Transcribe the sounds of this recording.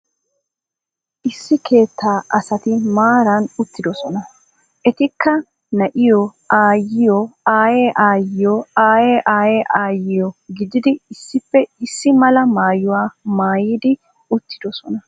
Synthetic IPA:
ʔɪsːɪkʰe̞ːt̪ːaːʔɐsɐt̪ɪmaːɾɐnʊt̪ːɪd̪ɔsɔnɐ | ʔɛt̪ɪkːɐ | nɐʔɪjo | aːjːɪjoaːjeːʔaːjɪjoaːjeːʔaːjeːʔaːjɪjɔɡɪd̪ɪd̪ɪɪsːɪfːɛɪsːɪmɐlɐmaːjʊwaːmaːjiːd̪ɪ | ʊt̪ːɪ̥d̪ɔsɔnɐ

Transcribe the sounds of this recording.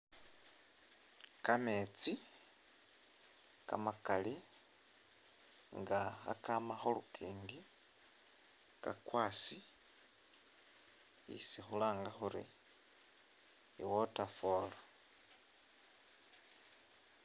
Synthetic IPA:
kamet͡si | ka̰makali | ŋɡaxa̰kamaxolukʰiːŋɡi | ka̰kwaːsi | ḭsixulaːŋɡaxuɾḭ | iwotafoːlo

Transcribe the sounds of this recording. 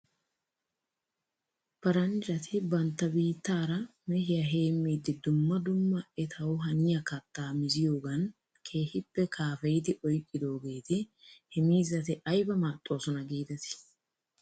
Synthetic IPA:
pɐɾɐnd͡ʒɐt̪ʰɪbɐnt̪ːɐbiːt̪ːaːɾɐmɛhɪjɐɦe̞ːmːiːd̪ɪd̪ʊmːɐd̪ʊmːɐɛt̪ʰɐwʊɦɐnɪjɐkɐt̪ːaːmɪzɪjoːɡɐn | kʰe̞ːhɪpːɛkʰaːfɛjɪd̪ɪʔɔjkʼːɪd̪o̞ːɡe̞ːt̪ɪhɛmiːzɐt̪ɪʔɐjbɐmaːt̪ʼːo̞ːsɔnɐɡiːd̪ɐt̪ɪ̥

